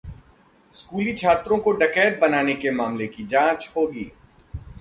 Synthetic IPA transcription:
skuːlit͡ʃʰaːt̪ɾõkoɖɐkɛːʈ̚bɐnaːnekemaːmlekid͡ʒãːt͡ʃhoːɡḭː

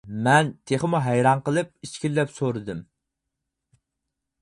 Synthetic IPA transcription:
mɛnt̪ʰeχəmuɦɛjɾɑɴqəlˠɨp̚it͡ʃkʲilːɛpsoɾɨd̪ɨm

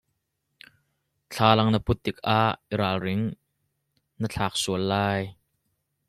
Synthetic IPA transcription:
t͡ɬʰaːlɐŋnəput̪ːik̚ʔaʔiɾaːlrɪŋ | nət͡ɬʰaːk̚suəlːaːj

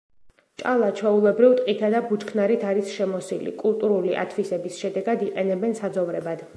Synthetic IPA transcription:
t͡ʃʼalˠat͡ʃʰwɛulˠɛbɾivt̪ʼqʼit̪ʰad̪abut͡ʃkʰnaɾit̪ʰaɾisʃɛmɔsilḭkʼulˠt̪ʼuɾuliʔa̰t̪ʰvisɛbisʃɛd̪ɛɡad̪iqʼɛnɛbɛnsad̪zɔvɾɛbad̪̥

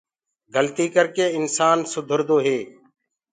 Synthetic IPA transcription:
ɡʱəlt̪iːkəɾkeːɪnsaːnsʊd̪ʱəɾd̪oːɦeː

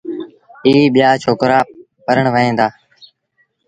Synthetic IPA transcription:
iːɓɪjaːt͡ʃʰoːkɾaː | pəɾəɳʋəɦẽːd̪aː

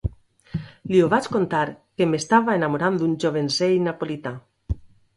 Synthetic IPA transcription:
lioβat͡ʃkont̪aɾkemest̪aβaenamoɾand̪und͡ʒoβ̞ensejnapolit̪a

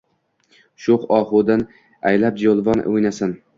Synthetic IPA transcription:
ʃʊχɒχʊd̪an | ajlap̚d͡ʒolˠvɒnojnasɪn

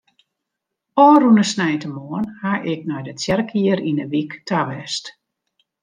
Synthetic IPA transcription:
ɔːrunəsnɛjtəmoənhaʔɪk̚nɔjdətjɛrkʰiəɾinəʋiktʰaʋɛst

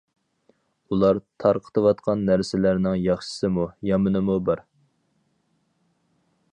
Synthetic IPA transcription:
ulˠɑɾt̪ʰɑɾqʰə̥t̪ʰɨwɑt̪̚qʰɑnːæɾsɪlæɾnɪŋjɑχʃɪ̥sɨmujɑmɨnɨmubɑɾ

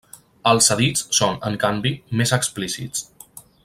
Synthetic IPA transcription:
əlˠsəðit͡ssonəŋkambimezəksplisḭt͡s

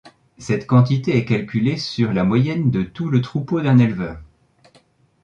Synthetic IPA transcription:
sɛt̪kɑ̃t̪it̪eɛkalkʲylesyʁlamwajɛnd̪ət̪ulət̪χupod̪ɛ̃nɛlvœːʁ

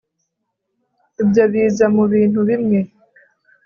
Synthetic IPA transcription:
uɟaβiːzamuβiːn̥uβimŋe

